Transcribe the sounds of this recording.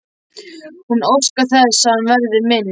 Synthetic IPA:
hunowskaθɛsːaanvɛɾðɪmɪnː

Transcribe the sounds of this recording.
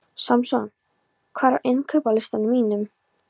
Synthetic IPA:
samsuan | kʰvaːɾaʔɪnkʰœːpalɪst̪anʏmiːnʏm

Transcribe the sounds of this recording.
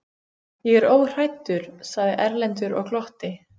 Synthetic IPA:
jɛɣɛɾoːwr̥ajt̪ʏɾ̥saɣðɪʔɛɾlɛnt̪̬ʏɾɔ̰ɣkʰlɔht̪ɪ

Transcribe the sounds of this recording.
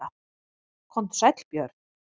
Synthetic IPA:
a | kʰɔm̥t̪sajt̪lpjœːɾt̪n

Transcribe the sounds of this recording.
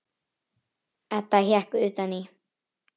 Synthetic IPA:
at̪ahjahkʉːt̪ani

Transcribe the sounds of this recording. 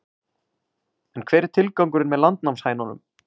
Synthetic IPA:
ɛnkʰv̥ɛːɾɪɾ̥t̪ʰɪlkawŋkʏɾɪnmɛðlant̪nawmshaːjnanʏ̰m

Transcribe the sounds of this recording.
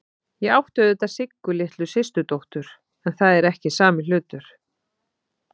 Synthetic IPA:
jɛɣawht̪œðɛt̪aðsɪkːʏlɪht̪lʏsɪst̪ʏt̪owht̪ʏɾ̥ | ɛnθaðɛɾɛhcɪsaːmɪl̥ʏːt̪ʏɾ̥

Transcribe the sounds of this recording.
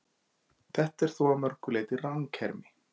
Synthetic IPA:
θɛht̪ɛɾ̥θuamœɾ̥kʏleːjt̪ɪraŋcʰɛɾmɪ

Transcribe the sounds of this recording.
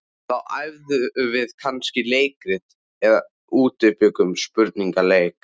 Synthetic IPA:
θawʔajvðʏvɪðkʰanscɪleːjkɾɪð | ɛða | uːt̪ʏpʏkʏmspʏɾt̪niŋkaleːjk

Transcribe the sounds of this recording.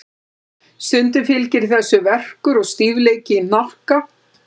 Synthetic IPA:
st̪ʏnt̪ɪfɪlcɪɾ̥θɛsːʏvɛr̥kʏɾɔɣst̪iːvleːjcɪinɔhka

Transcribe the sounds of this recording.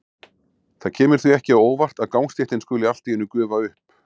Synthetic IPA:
θaðcʰɛːmɪɾ̥θɥiɛhcɪaoːwvar̥t̪aðkawnst̪ɛht̪ɪnskʏːlɪal̥t̪ɪjɪnːʏkœːvaʏhp

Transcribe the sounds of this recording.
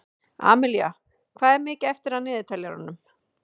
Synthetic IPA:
a̰ːmɪlja̰ | kʰvaːðɛɾmɪːcɛft̪ɪɾ̥haðnɪːðɪt̪ʰaljaɾa̰nːʏm

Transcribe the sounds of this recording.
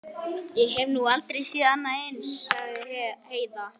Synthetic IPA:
jɛɣɦɛvnualt̪ɾejsiːðanːaɪnsaɣðɪheːjða

